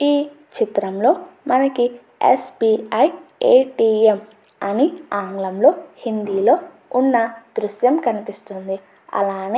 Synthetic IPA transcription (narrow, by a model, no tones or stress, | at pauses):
iː | t͡ʃit̪ɾɐmlo̞ːmɐnɐki | ḛspiːɐjeːʈiːem | ɐniaːŋɡlɐmlo̞ːhind̪iːlo̞ː | unːɐd̪ɾuʃjɐmkɐnipist̪und̪i | ɐ̰laːne